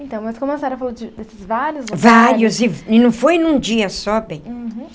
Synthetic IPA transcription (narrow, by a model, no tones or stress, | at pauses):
ẽt̪ɐ̃w̃mɐskõmɐsaɾɐfalad͡ʒɪd̪esɪzvaɾjʊzvaɾjʊzɪɪnɐ̃w̃fojnũd͡ʒiɐsɔbẽj̃